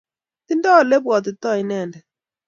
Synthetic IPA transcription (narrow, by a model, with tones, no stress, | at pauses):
ti˦ndɔ˦˨le˦bwɔ˨t̪̬i˨t̪ɔ˦˨i˦nɛ˦˨ndɛ˨